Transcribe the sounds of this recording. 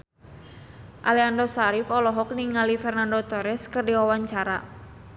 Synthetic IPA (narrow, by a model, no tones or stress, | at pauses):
ʔaliandɔsaɾifɔlɔɦɔk̚niŋalifɛrnandɔt̪ɔɾɛskərdiwawaɲt͡ʃaɾa̰